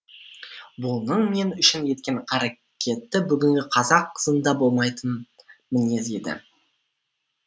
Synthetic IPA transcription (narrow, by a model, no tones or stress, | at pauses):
bʊnəɴme̞nʏʃɪnje̞t̪̚kʲe̞ɴqʰɑɾa | kʲʰe̞t̪ːɪbʏɡʲɪŋɡʲɪqʰɑzɑqʰːəzənd̪ɑbo̞lˠmɑjt̪ənmɪne̞ze̞d̪ɪ̰